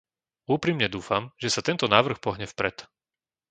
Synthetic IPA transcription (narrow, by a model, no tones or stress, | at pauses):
uːpɾimɲɛd̪uːfamʒɛsat̪ɛnt̪ɔnaːʋr̩xpɔɦɲɛfpɾɛt̪